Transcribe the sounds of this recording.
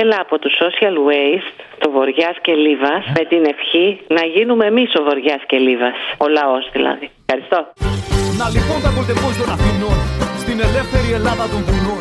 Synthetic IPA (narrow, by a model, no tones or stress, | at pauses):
elɐːpo̞t̪uso̞siɐlwejst̪ | t̪ovo̞ɾʝɐsce̞livɐsme̞t̪ine̞fçinɐʝinume̞ːmiso̞vo̞ɾʝɐsce̞livɐso̞lɐo̞zðilɐ̰ðifxɐɾist̪o̞nɐlipond̪ɐboɾit̪eposonɐfinost̪ine̞le̞fθe̞ɾie̞lɐðɐt̪oŋɣulo